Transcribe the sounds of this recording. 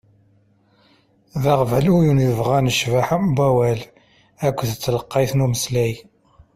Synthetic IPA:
ðɑʁvælujunəvʁænəʃvaħmbæwæl | ækʷːðət͡sːləqːɑjθnuməslæj

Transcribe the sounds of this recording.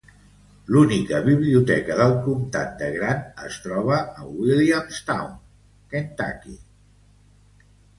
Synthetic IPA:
lunikəβiβliut̪ɛkəðəlˠkumt̪a̰t̪d̪əɣɾanə̰st̪ɾɔβ̞əːwiliamst̪awn | kent̪a̰kḭ

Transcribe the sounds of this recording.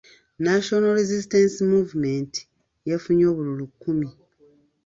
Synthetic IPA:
naʃonaɾezistensimuːvumenti̥ | jefuɲo̞ːβululukːumi

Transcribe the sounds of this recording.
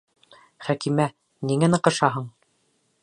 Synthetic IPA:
χækimæ | niŋænɤ̆qɤ̆ʃɑɦɤɴ

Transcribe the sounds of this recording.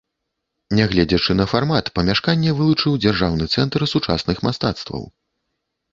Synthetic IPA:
nʲɛɣlʲɛd͡zʲɛt͡ʂɨnɐfarmat̪pɐmʲaʂkanʲːɛvɨlˠut͡ʂɨwd͡zʲarʐawnɨt̪sɛnt̪rsut͡ʂa̰snɨxmast̪at̪st̪vɐ̰w

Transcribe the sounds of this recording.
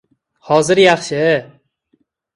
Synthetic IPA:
hɒzɪɾjɑχʃɪ

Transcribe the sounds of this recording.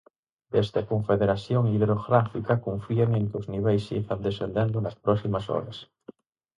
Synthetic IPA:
d̪ezðekoɱfeðeɾaθsjoŋiðɾoɣɾafikakõɱfieŋẽŋkozniβ̞ejsḭfand̪esend̪end̪onaspɾɔsimasɔ̰ɾas

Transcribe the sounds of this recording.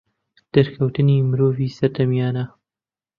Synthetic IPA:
d̪̥ɐɾkʰɐwt̪ɨniːmɨɾoːviːsɐɾd̪ɐmijɑːnɐ

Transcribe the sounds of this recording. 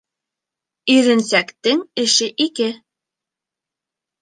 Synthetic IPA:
ɵ̆jɾɘ̆nsækt̪ɘŋɘ̆ʃɘʔikɘ

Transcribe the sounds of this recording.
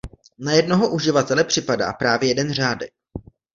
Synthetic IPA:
najɛdnoɦoʔuʒɪvat̪ɛlɛpr̝̥ɪpada̰ːpɾaːvjɛjɛdɛnr̝aːdɛ̰k̚

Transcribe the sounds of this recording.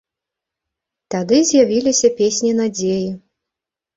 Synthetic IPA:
t̪ad̪ɨzʲjavʲilʲisʲɐpʲesʲnʲinad͡zʲeji

